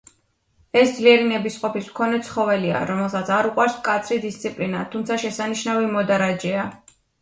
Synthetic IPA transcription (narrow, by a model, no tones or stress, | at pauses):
ɛsd̪zliɛɾinɛbisqʼɔpismkʰɔnɛt̪sʰχɔvɛlia̰ɾɔmɛlˠsat̪sʰaɾuqʼwaɾskʼat̪sʰɾid̪ist̪sʰʼipʼlinat̪ʰumt̪sʰaʃɛsaniʃnavimɔd̪aɾad͡ʒɛa